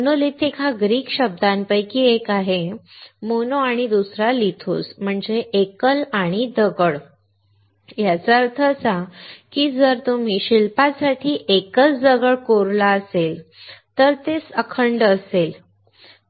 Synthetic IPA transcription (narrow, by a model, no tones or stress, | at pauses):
nolet̪ʰekʰaɡɾiːkɕəb̚d̪ʱanpəjkiːekaɦemonoaɽ̃id̪usɾalit̪ʰo̰sm̤əɳd͡zeʔekəlaɽ̃id̪əɡəɭ | jat͡saəɾt̪ʰət͡sakiːd͡zəɾt̪um̤iɕilpasaʈʰiːʔekət͡sd͡zəɡəɭkoɾlaəselt̪əɾt̪esəkʰəɳɖəsel